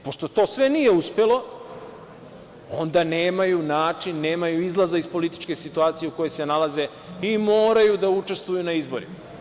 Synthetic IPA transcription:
po̞ʃt̪o̞t̪o̞ːsʋe̞nije̞uspe̞lo̞ | o̞nd̪aneːmajunaːt͡ʃinːe̞ːmajuizlˠazaispo̞lit̪i̥t͡ʃke̞sit̪uaːt̪sije̞uko̞je̞se̞nalˠaze̞ | imo̞ːɾajud̪aut͡ʃe̞st̪vojunaizbo̞ɾḭma

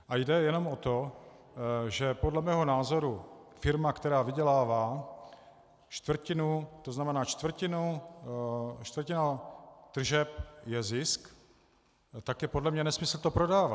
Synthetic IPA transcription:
ʔajdɛjɛno̞mʔot̪o̞ | ʒɛpodlɛmɛːɦo̞naːzo̞ɾufɪɾmakt̪ɛɾaːvɪɟɛlaːvaː | t͡ʃt̪vr̩cɪnut̪oznamɛnaːt͡ʃt̪vr̩cɪnu | ʃt̪vrcɪnat̪r̩ʒɛpjɛzɪsk | t̪akjɛpodlɛmɲɛnɛsmɪsl̩t̪o̞pɾodaːva

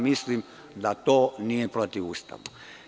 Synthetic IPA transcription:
mislim | d̪at̪oːnijepɾot̪iʋuːst̪a̰ʋu

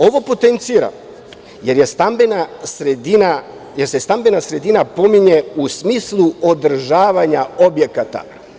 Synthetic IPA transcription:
o̞ʋo̞po̞t̪ent̪siːɾa̰ | je̞ɾjest̪ambenasɾed̪ina | jeɾsest̪ambenasɾe̞d̪inapo̞miɲe̞usmiːslˠuod̪r̩ʒaːʋaɲao̞bje̞kat̪a̰

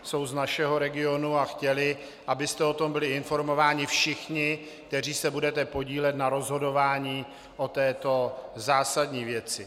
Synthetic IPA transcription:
so̞wznaʃɛɦo̞ɾɛɡɪo̞nuaxcɛlɪ | ʔabɪst̪ɛo̞t̪o̞mbɪlɪɪnfo̞ɾmo̞vaːɲɪfʃɪxɲɪ | k̚t̪ɛr̝iːsɛbudɛt̪ɛpo̞ɟiːlɛt̪naɾo̞zɦo̞do̞vaːɲiː | ʔo̞t̪ɛːt̪o̞zaːsadɲiːvjɛt͡sɪ

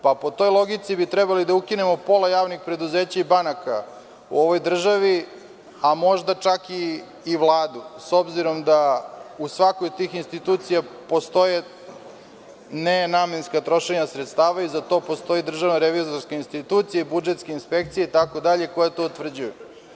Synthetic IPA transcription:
papo̞t̪o̞jlˠo̞ɡit̪sibit̪ɾɛbalid̪aukine̞mo̞po̞lajaːʋnixpɾe̞d̪uzeːt͡ɕaibanaka̰ | ṵo̞ʋo̞jd̪r̩ʒaʋi | amo̞ʒd̪at͡ʂakiː | ʋlˠaːd̪uso̞bziɾo̞md̪ausʋakojot̪ːiːxinst̪it̪uːt̪sijapo̞st̪o̞je | nenaːmenskat̪ɾo̞ʃe̞ɲasɾet̪st̪aːʋaizat̪o̞po̞st̪o̞id̪r̩ʒaʋnaɾeʋizoɾskeinst̪it̪ut̪sijeibud͡ʒet̪skeinspe̞k̚t̪sijeit̪ako̞d̪aʎeko̞jat̪o̞ut̪vr̩d͡ʑuju

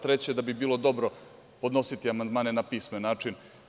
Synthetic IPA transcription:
t̪ɾet͡ɕed̪abibiːlˠo̞d̪o̞bɾo̞ | po̞d̪no̞sit̪iamand̪maːne̞napiːsmenaːt͡ʂin

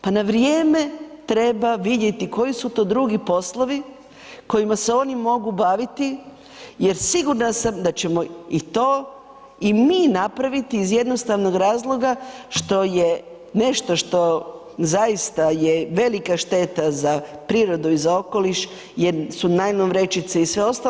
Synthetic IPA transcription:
panaʋɾjeːme̞t̪ɾe̞baʋid̪je̞t̪iko̞jisut̪o̞ːd̪ɾuɡipo̞slˠo̞ʋi | ko̞jimase̞o̞ːnimo̞ɡubaːʋit̪i | je̞ɾsiɡuɾnasamd̪at͡ɕe̞mo̞it̪o̞ː | imiːnapɾaʋit̪iːzje̞d̪no̞st̪aʋno̞ɡɾaːzlˠo̞ɡaʃt̪o̞je̞ | ne̞ʃt̪o̞ʃt̪o̞ | zajist̪ajeʋe̞likaʃt̪e̞t̪azapɾiːɾo̞d̪uizao̞ko̞liʃ | jeɾsunajlonʋɾe̞t͡ʃit̪seisʋeo̞st̪a

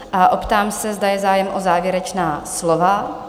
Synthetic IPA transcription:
ʔaʔopt̪aːmsɛzdajɛzaːjɛmʔozaːvjɛɾɛt͡ʃnaːslova

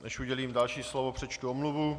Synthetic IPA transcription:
nɛ̰ʃuɟɛliːmdalʃiːslovopr̝̥ɛt͡ʃt̪uomluvu

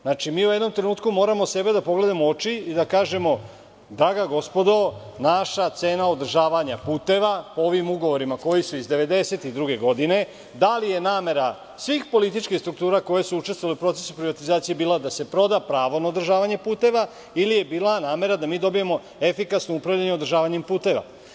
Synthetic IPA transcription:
znat͡ʃimiːujed̪no̞mt̪ɾe̞nuːt̪kumo̞ːɾamo̞se̞be̞d̪apo̞ɡle̞d̪amoot͡ʃiid̪akaːʒe̞mo̞ | d̪ɾaɡaɡo̞spo̞d̪o | naʃat̪se̞ːnaod̪r̩ʒaːʋaɲapuːt̪e̞ʋapooʋimuɡo̞ʋo̞ɾimako̞jisuizd̪e̞ʋe̞d̪e̞se̞t̪id̪ɾuɡe̞ɡo̞d̪ine̞ | d̪alije̞naːme̞ɾa | sʋixpo̞lit̪̬it͡ʃkixst̪ɾukt̪uːɾako̞jesuut͡ʃest̪ʋoaleupɾo̞t̪se̞supɾiʋat̪izaːt̪sije̞biːlad̪ase̞pɾo̞d̪apɾaːʋo̞naod̪ɾrʒaːʋaɲe̞puːt̪e̞ʋa | ilije̞biːlˠanaːme̞ɾad̪amiːd̪o̞bijemo̞ | e̞fikasnoupɾaʋʎaɲeod̪r̩ʒaːʋaɲempuːt̪e̞ʋa̰

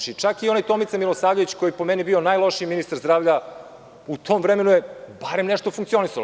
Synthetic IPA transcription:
t͡ʃit͡ʂakio̞najt̪o̞mit̪semilˠosaːvʎoʋit͡ɕkojipo̞menibio̞najlˠo̞ʃiːminist̪aɾzd̪ɾaːʋʎa | ut̪ʰo̞mvɾeme̞nujebaɾe̞mneʃt̪ofuŋkt̪sio̞nisal

